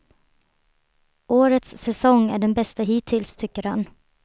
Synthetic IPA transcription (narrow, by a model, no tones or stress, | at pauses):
ʔoːɾət̪sːɛsɔŋːæɖɛnbɛst̪aɦɪt̪ʰɪlst̪ʰʏkːəɾhan